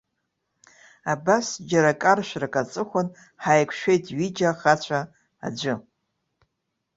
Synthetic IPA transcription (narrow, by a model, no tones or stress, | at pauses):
abasd͡ʒaɾakʼarʃʷᶣrakʼat͡sʼɨχʷʊn | ħajkʷʰʃʷᶣejtʰʼɥid͡ʒaχat͡ɕʷʰa | a̰d͡ʒʷɨ